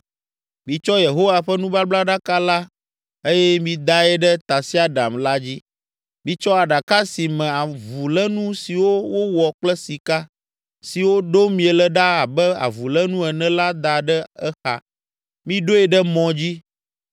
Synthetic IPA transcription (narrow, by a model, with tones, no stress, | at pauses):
mĩ˨t͡ʃɔ˦je˨ɦo˦wa˨ɸɛ˦nũ˦ba˦bla˦ɖa˦ka˦la˦ | e˦jɛ˦mĩ˨d̪a˦ɛ˦ɖɛ˦t̪a˨si˦a˦ɖa˨mla˦d͡ʑi˦ | mĩ˨t͡ʃɔ˦a˨ɖa˨ka˦si˨mɛ̃˨a˨vu˨lɛ˦nũ˦si˨wo˦wo˦wɔ˨k͡plɛ˦si˨ka˦ | si˨wo˦ɖo˦mĩ˨ɛ˨lɛ˦ɖa˦a˨bɛ˦a̰˨vu˨lɛ˦nũ˦ɛ˨nɛ̃˦la˦d̪a˨ɖɛ˦ɛ˦xa̰˨ | mĩ˦ɖo˦ɛ˨ɖɛ˦mɔ̃˨d͡ʑi˦